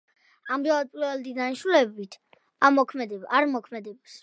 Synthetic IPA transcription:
amɾalad̪̚pʼiɾvɛlˠd̪inanʃulɛbit̪ʰ | amɔkʰmɛd̪ɛaɾmɔkʰmɛd̪ɛbas

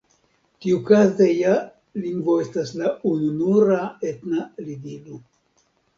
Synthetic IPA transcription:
tiukazeja | liŋɡvo̞e̞staslaununuɾaetnalidilu

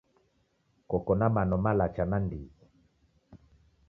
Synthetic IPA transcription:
kɔkɔnamanɔmalat͡ʃanandii

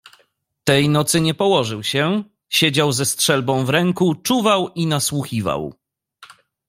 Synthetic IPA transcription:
t̪ɛjnɔt̪sɘɲɛpɔwɔʐɘwɕɛ | ɕed͡ʑawzɛstʂɛlbɔ̃w̃vɾɛŋkut͡ʂuvawinaswuxʲiva̰w

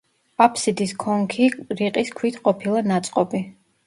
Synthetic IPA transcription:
pʼapʰsid̪iskʰɔŋkʰiɾiqʼiskʰwit̪ʰqʼɔpʰilˠanat̪sʼqʼɔbi

